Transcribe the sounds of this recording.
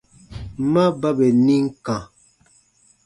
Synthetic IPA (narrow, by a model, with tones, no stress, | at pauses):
ma˦ba˦be˨nĩ˦ŋ̩˦kã˨